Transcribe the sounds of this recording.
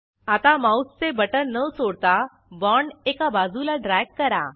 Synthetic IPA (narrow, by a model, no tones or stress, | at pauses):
at̪amawsːebəʈəɾnəsoːɽt̪a | bɔɳekabaːzulaɖɾɛːɡːəɾa̰